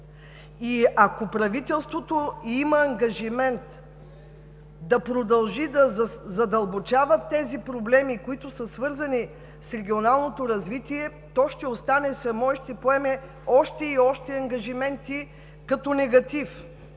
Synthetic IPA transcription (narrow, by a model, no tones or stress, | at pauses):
iɐkopɾɐvit̪ɛlˠst̪vot̪oimɐɐŋɡɐʒimɛnt̪ | d̪ɐpɾod̪ɐlˠʒid̪ɐzzɐd̪ɐlˠbot͡ʃavɐt̪ːɛzipɾoblɛmikoit̪ʊsəsvɤɾzɐni | sɾɛɡʲionalˠnot̪oɾɐzvit̪iɛ | t̪ɔʃt̪ɛost̪anɛsɐmɔiʃt̪ɛpoɛmɛ | ɔʃt̪ɛiɔʃt̪ɛɐŋɡɐʒimɛnt̪i | kɐt̪ɔnɛɡɐt̪if